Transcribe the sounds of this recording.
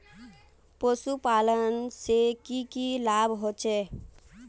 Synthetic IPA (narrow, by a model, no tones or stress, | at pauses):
posupalənsekikilabʱɦot͡ʃʰe